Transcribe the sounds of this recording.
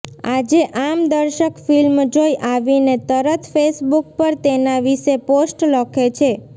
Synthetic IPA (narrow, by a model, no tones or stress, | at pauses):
ad͡ʒeʔamd̪əɾʃəkfilmd͡ʒojʔaʋinet̪əɾət̪ʰfesbuk̚pəɾt̪enaʋiʃeposʈləkʰet͡ʃʰe